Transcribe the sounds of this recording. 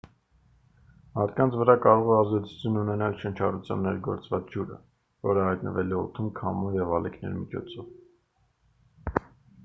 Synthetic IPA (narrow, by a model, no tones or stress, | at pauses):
mɑɾt̪̚kɑnt͡sʰvəɾɑkɑɾɔʁɛɑzd̪ɛt͡sʰu̥t͡sʰjununɛnɑlʃənt͡ʃʰɑɾut͡sʰjɑ̰nːɛɾɡɔ̰ɾt͡svɑt͡sʰd͡ʒuɾə̰ | vɔɾəhɑjt̪nə̰vɛliɔ̰t̪ʰumkʰɑmuvjɛvɑlikʰnɛ̰ɾmit͡ʃʰɔ̰t͡sʰɔv